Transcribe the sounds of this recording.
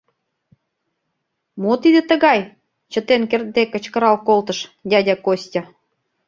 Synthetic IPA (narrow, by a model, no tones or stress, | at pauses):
mot̪id̪ə̆t̪ə̆ɣɑj | t͡ɕə̆t̪enkert̪̚d̪ekə̆t͡ɕkə̆ɾɑlkolt̪ə̆ʃdʲɑdʲɑkosʲtʲɑ